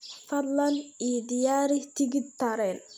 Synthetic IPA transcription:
fɐd̪lɐnid̪ɪjaːɾit̪ʰɪɡɪd̪̚t̪ɐɾɛːn

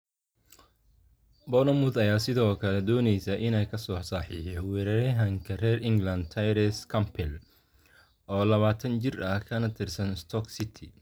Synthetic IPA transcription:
bɔnɐmʊðɐjaːsɪðɔːkʰɐlɛd̪ɔːnɛjsɐʔɪnɛjkʰɐsɔːsaħḭʃɛwɛɾɐɾɐɦɐŋkʰɐrɛːrɪŋɡlɐnd̪̚t̪ʰɐjɾɛskʰɐmpʰɛl | ʔɔːlɐβaːt̪ʰɐnt͡ʃɪrɐhkʰɐnɐt̪ʰɪrsɐnɪst̪ʰɔksɪt̪ʰɪ

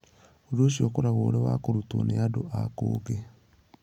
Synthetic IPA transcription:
odoɕjɔkoɾaɣoːɾɛwa̰koɾuto̰neadoʔako̰ːɣe

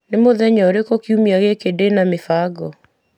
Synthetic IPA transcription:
nemoðɛɲɔoɾekokiumiaɣekedenamefaːɡɔ

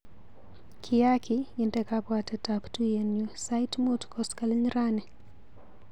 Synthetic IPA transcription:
kʰɪjakɪɪntɛkapwatɛtaptujenjosaitmotkɔskalɲɾanɛ

